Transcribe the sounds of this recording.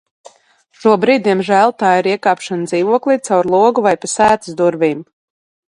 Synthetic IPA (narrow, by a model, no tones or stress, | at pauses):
ʃuɔbɾiːd̪̚d̪ʲiɛmʒæːlˠt̪aːiɾiɛkaːpʃand̪ziːvuɔklˠiːt̪sawɾlˠuɔɡuvajpasæːt̪ɨ̥sd̪uɾviːm